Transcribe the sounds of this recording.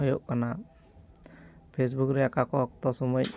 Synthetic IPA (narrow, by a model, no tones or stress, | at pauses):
ɦɔjoʔkana | pʰes̬bukɾɛakakɔɔk̚t̪ɔsɔmɔj